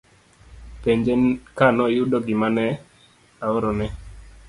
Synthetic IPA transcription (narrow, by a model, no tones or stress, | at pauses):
peɲd͡ʒekanɔjʊdɔɡɪmanɛ | aoɾɔnɛ